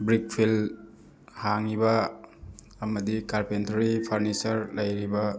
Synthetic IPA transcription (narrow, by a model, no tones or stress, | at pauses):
bɾik̚pʰil | haŋibɐː | mɐdikaɾpentɐɾipʰɐɾnisɐɾlɐjɾibɐ